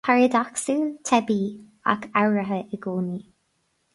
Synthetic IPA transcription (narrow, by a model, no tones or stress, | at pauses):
pʰaɹəd̪ɔksut̪ʰɛbi | a̰kʰawɹəɦəʔəɡuːni